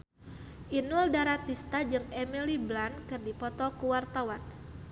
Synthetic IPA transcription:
ʔinuldaɾat̪ist̪ad͡ʒɨŋemiliblankɨrdipɔt̪ɔkuwart̪awan

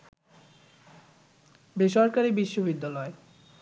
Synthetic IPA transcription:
beʃɔɾkaɾibiʃːobid̪ːalɔe

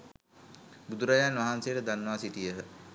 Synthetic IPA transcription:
bud̪uɾajaːnʋaɦansejəʈəd̪anːəʋasiʈijəɦə

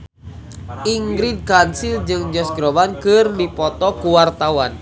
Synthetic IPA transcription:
ʔiŋɡɾid̚kansild͡ʒɨŋd͡ʒɔsɡɾɔbankɨrdipɔt̪ɔkuwart̪awan

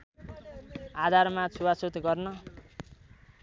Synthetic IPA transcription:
ad̪ʱarmat͡sʰuwasut̪ɡʌrnʌ

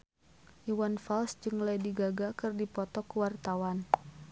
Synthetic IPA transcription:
ʔiwanfalsd͡ʒɨŋlajdiɡaɡakɨrdipɔt̪ɔkuwart̪awan

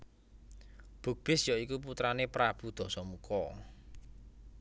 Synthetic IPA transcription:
b̥ṳɡ̚b̥ɪsjɔikup̬ut̪ɾanepɾab̥ṳd̪̥ɔ̤sɔmukɔ

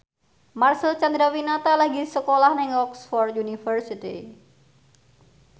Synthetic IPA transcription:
marsəlt͡ʃand̪ɾawinat̪alaɡisəkolahnɪŋɔksfɔrjunifərsit̪ḭ

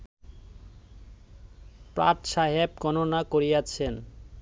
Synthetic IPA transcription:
pɾa̰t̪ʃaɦeb̚ɡɔnonakoɾiat͡ɕʰen

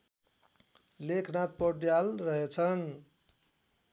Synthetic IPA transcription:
lekʰnat̪̚pɔɖjalrʌɦet͡sʰʌn

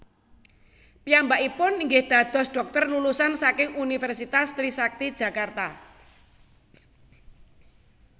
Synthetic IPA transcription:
piambaʔipʊniŋɡɪhd̪̥a̤d̪̥ɔ̤sɖ̥ɔ̤k̚t̪ərnulusansakɪŋunifɛrsit̪ast̪ɾisak̚t̪id̥ʒ̥a̤kart̪a

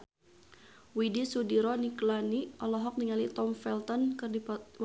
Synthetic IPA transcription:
widisudiɾɔniklaniʔɔlɔɦɔk̚niŋalit̪ɔmfɛlt̪ɔnkɨrdiw

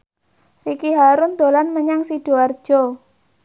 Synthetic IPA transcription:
rikiɦaɾʊnd̪o̤lanməɲaŋsid̥o̤ard̥ʒ̥ɔ

